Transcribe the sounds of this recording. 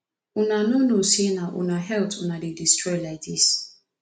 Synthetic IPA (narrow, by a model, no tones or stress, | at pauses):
unanunusinaʔṵnaɦɛltʰunadidistɾɔjlajk̚dis